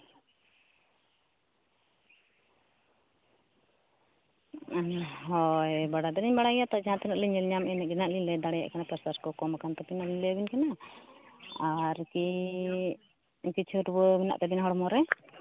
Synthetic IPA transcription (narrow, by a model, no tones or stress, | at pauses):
ɦɔjbaɽad̪ɛɾiɲbaɽaɡjat̪ad͡ʒaãt̪ɛnaʔliɲɛlɲamɛnɛɛnaʔlilɛd̪aɽɛja̰ʔkanapaɾsaɾkɔkɔmakant̪ɔpinalilɛbinkana | aɾki | kit͡ʃʰuuɾbɔbɛna̰ʔt̪ɛbinaɦɔɽmɔɾɛ